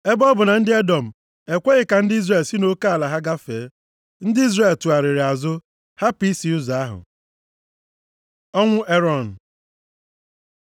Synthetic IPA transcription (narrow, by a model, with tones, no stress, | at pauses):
e˦bɔ˦bʊ˨na˨n̩˦dɪ˦e˦dɔ˨m̩˨ | e˨kʷe˦ɣɪ˨ka˨n̩˦dɪ˦i˦zre˨lsi˦no˦ka˦a˨la˨ɦa˦ɡa˦feː˨˦ | n̩˦dɪ˦i˦zre˨ltu˨a˨ɾɪ˨ɾɪ˨a˨zʊ˦ | ha˦pi˦si˨ʊ˦za˨a˦ɦʊ̰˨ | ɔ˦ŋʷʊ˦ʔe˦ɾɔ˨n̩˨